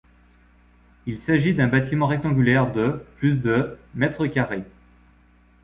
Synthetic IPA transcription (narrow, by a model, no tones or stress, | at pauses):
ilsaʒid̪ɛ̃bat̪imɑ̃ʁɛk̚t̪ɑ̃ɡʲylɛʁd̪əplys̬d̪əmɛt̪χəkʲaʁe